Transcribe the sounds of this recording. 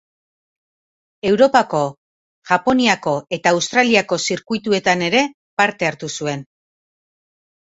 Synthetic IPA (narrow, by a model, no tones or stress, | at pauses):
e̞wɾo̞pako̞ | ʝapo̞niako̞e̞t̪aːwst̪ɾaliako̞siɾkujt̪ue̞t̪ane̞ɾe̞ | paɾt̪e̞aɾt̪usue̞n